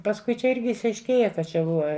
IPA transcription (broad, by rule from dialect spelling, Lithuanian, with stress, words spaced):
pɐsˈkʊɪ t͡ʃʲɛ ˈɪrʲɡʲɪ ɪʃɐɪʃʲˈkʲeːjɛ kɐ ˈt͡ʃʲɛ ˈbʊʋɐ